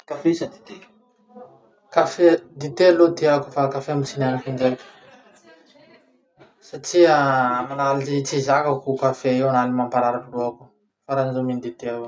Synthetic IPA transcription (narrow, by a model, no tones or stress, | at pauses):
kafesad̪it̪e | kafed̪it̪ealod̪eaku̥fakafemisinanikinɖ͡ʐeku̥ | saʈ͡ʂiamanaliit͡sizakakukafeiwanalimampaɾaɾakuloaku̥ | faɾanizomind̪et̪eaw